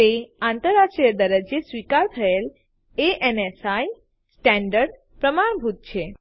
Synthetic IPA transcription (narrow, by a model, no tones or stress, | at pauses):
t̪eãnt̪əɾːaʃʈɾijəd̪əɾəd͡ʒesʋikaɾt̪ʰəel | eʔenesaj | sʈɛ̃ɳɖəɾɖ | pɾəmaɳbʱut̪̚t͡ʃʰe